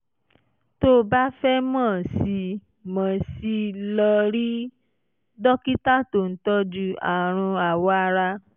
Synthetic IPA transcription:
to˦˨ba˦fɛ˦mãː˦˨si˧ | mã˨si˧lɔ˧ɾi˦ | dɔ˦ki˦ta˦˨to˨n̩˦tɔ˧˦d͡ʒu˦a˨ɾ̃ũ˧a˨wɔ˨˦a˧ɾa˧

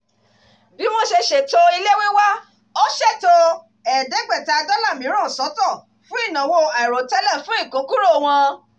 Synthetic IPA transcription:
bi˨˦w̃ɔ̃˦ʃe˧ʃe˨to˦i˧le˦wĩ˦wa˦ | o˦ʃɛ˦˨to˦ | ɛ˨dɛ˨˦ɡ͡bɛ˦˨ta˧˦˧dɔ˦la˦˨mĩ˨˦ɾ̃ã˦˨sɔ˨˦tɔ˦˨ | fũ˦i˦˨nã˨wo˧a˨i˨ɾo˨tɛ˦lɛ˦˨fũ˦i˦˨kũ˨˦ku˦ɾo˦˨w̃ɔ̃˧

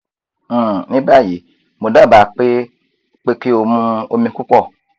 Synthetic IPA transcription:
nĩ˦ba˦˨ji˨˦ | mo˨da˦˨ba˨k͡pe˦ | k͡pe˦ke˦o˧mũ˦o˧mĩ˧ku˦kɔ˦˨

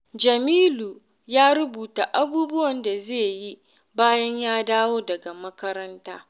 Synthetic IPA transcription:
d͡ʒɐ˨miː˦luː˨ | jaː˦ɾʊ˦buː˨ta˨ʔa˦buː˦bʊ˦wɐ˨nda˨zeː˦˨ji˦ | baː˦jɐ˦ɲjaː˦daː˦woː˦dɐ˨ɡa˨mɐ˦kɐ˦ɾɐ˦ntaː˦

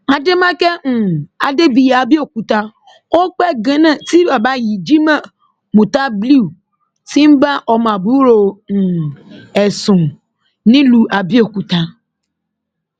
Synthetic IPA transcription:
ã˨de˦mã˦kɛ˦ŋũ˨a̰˨de˦bi˨ja˨bi˦o˨ku˨ta˦ | wo˦k͡pɛ˦ɡẽ˦nã˨t̪i˦ba˨ba˦ji˨d͡ʒi˦mɛ̃˦ | mũ˨t̪a˦bli˦˨ | si˦m̩˦ba˦ʔɔ˨mã˨bu˦ɾo˨ŋ̩˨ɛ˨sʊ̃˨ | nɪ̃˦lu˨ʔa˨bi˦o˨ku˨t̪a˦

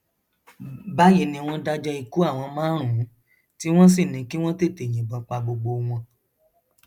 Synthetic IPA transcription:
ba˦ji˦˨nĩ˧w̃ɔ̃˧da˧d͡ʒɔ˧i˧ku˦a˦˨w̃ɔ̃˧mãː˦ɾ̃ũ˨˦ | ti˦w̃ɔ̃˦s̬i˦˨nĩ˨˦ki˦w̃ɔ̃˦te˦˨te˨j̃ĩ˨bɔ˨˧k͡pa˧ɡ͡bo˧ɡ͡bo˧w̃ɔ̃˧

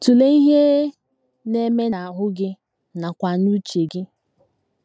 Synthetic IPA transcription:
tu˨le˦i˦ɦe˦ | ne˦me˦na˨ɦʊ˦ɡɪ˦ | na˨kʷa˨nu˦t͡ʃe˨ɡɪ˦

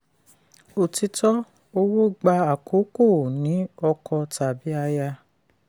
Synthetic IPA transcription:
o˨ti˧tɔ˦ | o˧wo˦ɡ͡ba˧a˨kʰo˨˦ko˦˨nĩ˨˦ɔ˧kʰɔ˧ta˨bi˨˦a˧ja˧

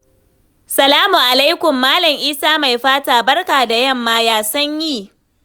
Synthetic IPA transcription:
sɐ˨laː˦mu˨ʔa˨la˦jkʷʊ˨mːaː˦lɐ˨ŋʔiː˦saː˦ma˨jɸaː˦taː˨bɐ˦rkaː˨da˨jɐ˦mːaː˦jaː˦sɐ˦ɲjiː˦˨

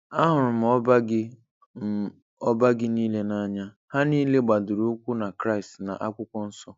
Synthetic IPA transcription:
a˦ɦʊ˨ɾʊ˨m̩˨ɔ˦ba˦ɡɪ˦ | ɔ˦ba˦ɡɪ˦niː˦le˦na˦ɲa˦ | ha˦niː˦le˦ɡ͡ba˨dʊ˨ɾu˦kʷu˦na˨kɾa˦i˨stna̰˨ʔa˦kʷʊ˦kʷɔ˦n̩˦sɔ˦

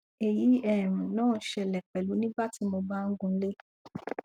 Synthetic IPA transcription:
e˨ji˨˦ɛ˦˨ɾ̃ũ˨nãː˦˨˦ʃɛ˧lɛ˨k͡pɛ˨lu˨˦nĩ˦ba˦ti˨˦mo˧ba˦ŋ̩˦ɡũ˧˦le˦

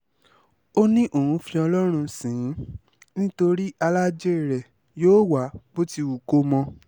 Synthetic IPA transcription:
o˦nĩ˦ʔo˦˨ũ˨˧fĩ˧ɔ˧lɔ˦ɾ̃ũ˧sĩ˨˦ | nĩ˦to˧ɾi˦ʔa˧la˦d͡ʒe˦˨ɾɛ˨ | joː˦wa˨˦bo˦ti˦˧u˨ko˦mɔ̃˧

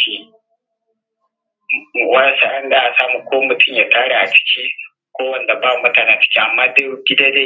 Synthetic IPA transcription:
i˦˨ | wa˦sa˨ʔa˦nɗa˦ʔa˨saː˦mu˨kʷoː˦mʊ˨tʰʊ˦mjaː˨taː˦ɽa˨ʔa˨t͡ʃɪ̥˦kʲi˦ | kʷoː˦wɐ˨nda˨baː˦˨mɐ˨taː˦ɽa˨t͡ʃɪ̥˦kʲi˦ʔa˨mːaː˦de˦˨˦ɡʲɪ˦daː˦de˦

